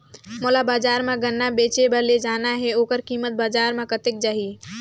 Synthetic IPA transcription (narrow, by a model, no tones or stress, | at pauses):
molabad͡ʒaɾmeɡənːabet͡ʃebəɾled͡ʒanaɦeokəɾkimət̪̚bad͡ʒaɾmekət̪ek̚d͡ʒaɦi